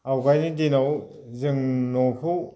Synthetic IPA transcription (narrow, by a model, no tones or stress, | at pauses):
awɡajnidinaw | zɯŋnɔpʰu